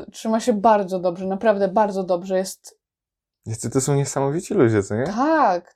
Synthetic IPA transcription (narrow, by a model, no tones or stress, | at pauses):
tʂɘmaɕɛbaɾd̪zɔd̪ɔbʐɛnapɾavd̪ɛbaɾd̪zɔd̪ɔbʐɛjɛst̪ | jasɘt̪ɔsɔ̃w̃ɲɛsamɔvʲit͡ɕilud͡ʑɛt̪sɛɲɛt̪ak